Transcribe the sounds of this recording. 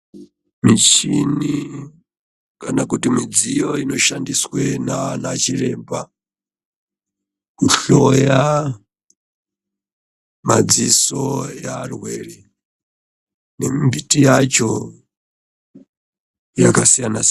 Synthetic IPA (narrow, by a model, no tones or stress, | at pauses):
mit͡ʃʰini | kanakutimid͡zijoinoʃandiswenanat͡ʃiɾɛmba | kuɬɔja | mad͡zisojarweːɾi | nimbitijat͡ʃo | jakasijanas